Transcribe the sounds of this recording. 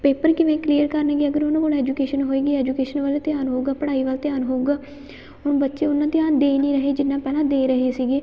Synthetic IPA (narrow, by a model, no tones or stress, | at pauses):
peːpəɾkɪʋẽːkliːəɾkəɾnɛːɡeːəɡəɾʊñːboːlɛːd͡ʒukeːʃənɦoːeːɡeːɛːd͡ʒuːkeːʃənʋəːlet̪ɪjaːnɦoːuɡaːpəɽaːiːʋalt̪ɪjaːnɦoːuɡaː | ɦʊnbətːʃeːʊnːãːt̪ɪjaːnd̪eːnĩːɾəɦeːd͡ʒɪnːãːpɛːlãːd̪eːɾəɦeːsiːɡeː